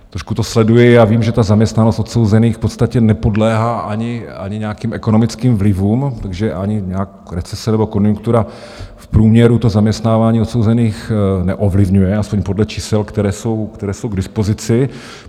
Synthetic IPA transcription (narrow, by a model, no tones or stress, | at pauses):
t̪ɾoʃkut̪o̞slɛdujɪjaːviːmʒɛt̪azamɲɛst̪nanost̪ot̪so̞wzɛniːxfpo̞t̪st̪acɛnɛpo̞dlɛːɦaːʔaɲɪa̰ɲɪɲɛakiːmʔɛko̞nomɪt͡skiːmvlɪvuːmt̪aɡʒɛʔaɲɪɲɛak | ɾɛt͡sɛsɛnɛbo̞ko̞njuŋkt̪uɾa | fpɾuːmɲɛɾut̪o̞zamɲɛst̪naːvaːɲiːot̪so̞wzɛniːxnɛʔo̞vlɪvɲujɛaspoɲpodlɛt͡ʃiːsɛlkt̪ɛɾɛːso̞wkt̪ɛɾɛːso̞wɡdɪspo̞zɪt͡sɪ